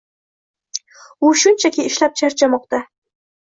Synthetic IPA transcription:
ʊʃʊnt͡ʃʰakʲiɪʃlap̚t͡ʃʰaɾt͡ʃʰamɒq̚t̪a

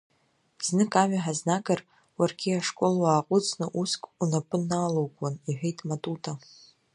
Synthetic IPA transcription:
b̥z̥nɨkʼaʕʷᶣaħaznakʼar | warɡʲiaʂkʼolwaːqʼʊt͡sʰʼnɨʔuskʼunapʼɨnːaːlowkʷʼaniħʷᶣejtʼmatʼutʰʼa

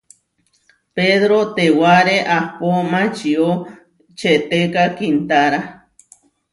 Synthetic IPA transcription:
peðɾot̪ewaɾeʔahpomãt͡ʃio | t͡ʃet̪ekakint̪aɾa

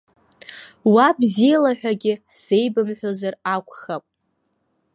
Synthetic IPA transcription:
wabzijalaħʷᶣaɡʲɪħz̥ejbɨmħʷᶣozarakʷʰʼχapʼ

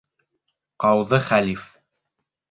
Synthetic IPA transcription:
qɑwðɤχælʲif

